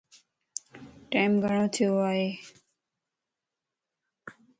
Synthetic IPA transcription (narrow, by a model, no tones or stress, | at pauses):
ʈajmɡʱəɽ̃õːt̪ʰioaːɦeː